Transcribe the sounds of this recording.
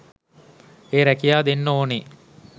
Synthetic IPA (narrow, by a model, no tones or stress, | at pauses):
eːɾækijaːd̪enːoːni